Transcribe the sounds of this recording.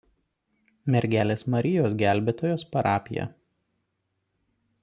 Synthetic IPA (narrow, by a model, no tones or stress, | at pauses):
mʲɛɾʲɡʲæːlʲeːsmɐɾʲɪjoːsɡʲæˑlʲbʲeːt̪oːjoːspɐɾʔɑːpʲɪjɛ̰